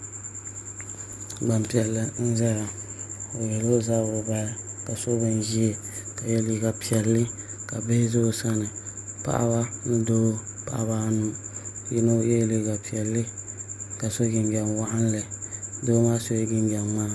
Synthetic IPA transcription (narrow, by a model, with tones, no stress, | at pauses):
ɡ͡ba˨mpi˨ɛ˨lːɨ˨n̩˦za˦ja˨o˨jɛ˨lo˦za˦bʊ˨ba˦ja˦ka˨so˦bɨ˦n˦ʒi˦e˦˨ | ka˨jɛ˦li˦ɡa˨pi˨ɛ˨lːɨ˦ | ka˨be˦zo˦˨sa˦nɨ˨pa̰˦˨ʔa̰˦ba˦nɨ˦do˦pa̰˨ʔa˦ba˦nu˦jɛ˦no˦jɛ˦jli˦ɡa˨pi˨ɛ˨lːɨ˦ka˨so˦ɡɪ˨nɡɛ˨nwa˦ʔa˦n˦lɨ˨do˦maː˦so˦ɡɪ˦nɡɛ˨mmaː˦